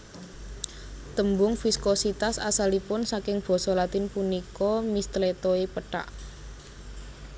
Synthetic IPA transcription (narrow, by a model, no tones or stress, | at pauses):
t̪əmbʊŋfiskosit̪asa̰salipʊnsakɪŋb̥ɔ̤sɔlat̪ɪnpunikɔmist̪let̪oepəʈa̰ʔ